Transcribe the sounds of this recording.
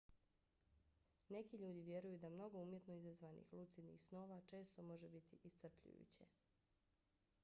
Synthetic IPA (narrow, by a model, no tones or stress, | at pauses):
ne̞kiʎuːd̪iʋje̞ɾujud̪amno̞ɡouːmje̞t̪no̞izazʋanḭxlut̪sid̪nḭxsno̞ːʋat͡ʃe̞ːst̪o̞mo̞ʒebit̪iʔist̪r̩pʎṵjṵt͡ɕḛ